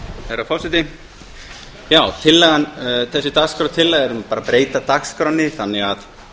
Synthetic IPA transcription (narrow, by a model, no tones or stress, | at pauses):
hɛɾafʰɔwsɛt̪ɪ | jaːwt̪ʰɪlːɛɣanθɛsːɪt̪akskɾaw̪t̪ʰɪlːɛɣɛɾʏmpaːɾapɾeːjt̪at̪akskɾawnːɪθanːɛɣað